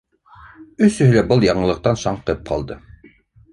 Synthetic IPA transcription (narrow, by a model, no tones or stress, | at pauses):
ɵsɵ̆ɦɵlæbɤlˠjɑɴɤ̆lˠɤ̆q̚t̪ɑnʃɑɴqɤp̚qʰɑ̰lˠd̪ɤ